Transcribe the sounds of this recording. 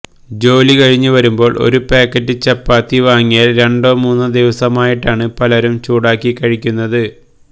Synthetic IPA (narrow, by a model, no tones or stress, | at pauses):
d͡ʑo̞ːlikɐɻiɲːuʋɐɾumbo̞ːɭʔo̞̰ɾupeːkːɐtːɨt͡ɕɐpːaːt̪ːiʋaːŋːijaːlɾe̞ɳɖo̞ːmuːnːɨd̪iʋɐsɐmaːjiʈːaːɳɨpɐlɐɾumt͡ɕuːɽaːkːikːɐɻikʲːunːɐðɨ